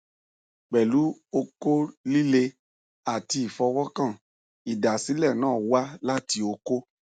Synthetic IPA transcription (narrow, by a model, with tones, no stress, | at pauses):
k͡pɛ˨lu˨˦o˧ko˦li˦le˧ | a˨ti˧i˨fɔ˧wɔ˦kã˦˨ | i˨da˨si˨˦lɛ˦˨nãː˦˨wa˦la˦ti˧o˧ko˦